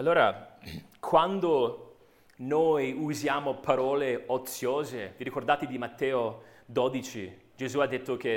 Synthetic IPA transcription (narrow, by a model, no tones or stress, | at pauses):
alːoːɾa | kʰwand̪o | noːjuzjaːmopaɾɔːleot̪sːjoːzeviɾikord̪aːt̪ɪd̪imat̪ːɛːod̪od̪it͡ʃi | d͡ʒezuad̪ːet̪ːoke